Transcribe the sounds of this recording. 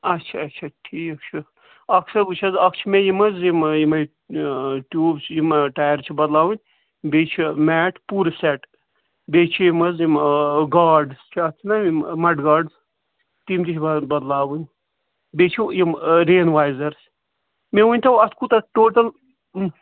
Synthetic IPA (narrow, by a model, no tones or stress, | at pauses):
ɐtːt͡ʃʰaɐt͡ʃʰaʈʰiːkɐk̚t͡ʃʰɐ | ɐksʰɐɾɡut͡ʃʰɐzɐkt͡ʃʰimejimɐzimjimɐj | ʈjuːbt͡ʃʰjimɐʈaːjɐɾt͡ʃʰibɐd̪laːwɨnʲ | bet͡ʃʰimɛːʈʰpuːɾsɛʈ | beːt͡ʃʰijimɐzjimɡaːɾɖst͡ʃʰiɐt̪ʰinɐimɐʈɡaːɾɖz | t̪imt̪it͡ʃʰɐbɐd̪laːwɨnʲ | bet͡ʃʰijimɾeːnʋaːjzɐɾs | mewunʲt̪ɐwɐt̪ʰkut̪ɐʈoːʈɐl